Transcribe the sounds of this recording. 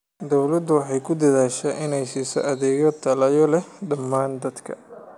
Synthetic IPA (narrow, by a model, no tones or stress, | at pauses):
d̪ɔwlɐd̪ʊwɑħɑjkʰʊd̪ɐðaːʃɛʔɪnɛjsiːsɔ̰ʔɐðɛːɣɔt̪ʰːɐlɐjɔlɛɖɐmːaːnd̪ɐd̪kʰɐ̰